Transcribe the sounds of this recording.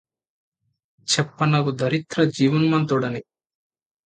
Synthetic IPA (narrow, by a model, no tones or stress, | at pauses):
t͡ʃɛpːɐnɐɡud̪ʱɐɾit̪ɾɐd͡ʒiːʋunmɐnt̪uɽɐni